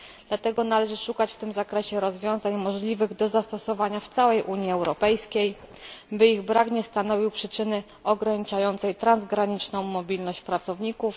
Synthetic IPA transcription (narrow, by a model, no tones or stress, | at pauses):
d̪̥lat̪ɛɡɔnalɛʐɘʂukat͡ɕft̪ɘmzakɾɛɕɛɾɔzvʲjɔ̃w̃zaɲmɔʐlʲivɘɣd̪ɔzast̪ɔsɔvaɲaft̪sawɛjʔuɲiɛwɾɔpɛjskʲejbɘiɣbɾakɲɛst̪an̪ɔvʲiwpʂɘt͡ʂɘnɘ | ɔɡɾaɲit͡ʂajɔnt̪sɛjt̪ɾanzɡɾaɲit͡ʂnɔ̃w̃mɔbʲilnɔɕt͡ɕpɾat̪sɔvɲikuf